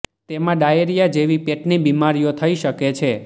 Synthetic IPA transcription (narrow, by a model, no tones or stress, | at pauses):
t̪emãɖajeɾijad͡ʒeʋipeʈnibimaɾijot̪ʰəiʃəket͡ʃʰe